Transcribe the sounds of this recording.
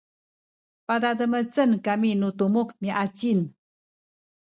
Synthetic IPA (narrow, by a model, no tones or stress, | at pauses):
padadəmət͡sənkaminutumukmiʔat͡sin